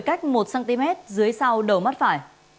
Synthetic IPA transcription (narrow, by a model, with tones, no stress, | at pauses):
jka˦˥jk̟̚mo˨˩t̚saː˧ŋt̪i˧mɛ˦˥t̚zɨ˨˦əjsa˧wɗə˨˩wma˦˥t̚faː˧˩j